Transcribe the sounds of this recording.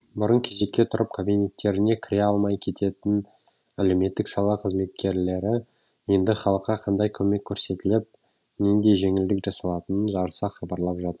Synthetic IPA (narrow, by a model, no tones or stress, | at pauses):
bʊɾəɴkʲʰe̞ʒe̞kʲːe̞t̪ʰʊɾəp̚kʰobinʲe̞t̪ːe̞ɾɪne̞kʲʰɪɾeɑlˠmɑjkʲʰe̞t̪ʰe̞t̪ɪn | æle̞wme̞t̪ːɪksɑlˠɑqʰəzme̞t̪̚kʲe̞ɾle̞ɾɪ | je̞nd̪ɪχɑlˠəqːɑqʰɑnd̪ɑjkʲʰɵme̞kʲʰːɵɾse̞t̪ɪlɪp̚ | neŋd̪e̞jʒe̞ŋɪld̪ɪkʒɑsɑlˠɑt̪ənənʒɑɾsɑχɑbɑɾlˠɑpʒɑt̪əɾ